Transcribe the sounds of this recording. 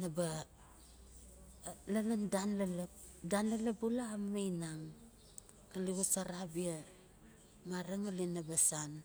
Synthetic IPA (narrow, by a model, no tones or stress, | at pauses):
naba | lalandanlaladanlalabulaːmmejnaŋ | aliɡusaɾabia | maɾaŋalinabasan